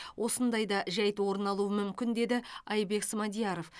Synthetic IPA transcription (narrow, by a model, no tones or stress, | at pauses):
wʔo̞sənd̪ɑjd̪ɑʒæjt̪wo̞ɾənɑlˠuəmʏmkʲɪnd̪e̞d̪ɪɑjbe̞ksəmɑd̪ijɑɾo̞f